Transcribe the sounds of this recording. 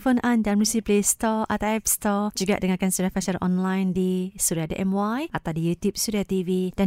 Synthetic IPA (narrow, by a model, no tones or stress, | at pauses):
fonʔandamusiplest̪ɔʔat̪awɛp̚st̪ɔd͡ʒuɡa̰ʔdəŋakansuɾiafaʃalʔɔ̰nlajndisuɾiadə̰ʔɛmwajʔat̪awdijut̪jup̚suɾiat̪ivid̥a